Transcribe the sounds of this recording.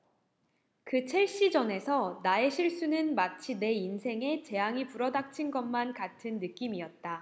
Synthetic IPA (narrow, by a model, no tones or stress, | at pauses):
kɯt͡ɕʰe̞ɭɕ͈id͡ʑʌne̞sʰʌnaeɕʰiɭs͈unɯnmat͡ɕʰine̞insʰe̞ŋe̞t͡ɕe̞aŋipuɾʌdak̚t͡ɕʰinɡʌnmankatʰɯnːɯk͈imiʌt̚t͈a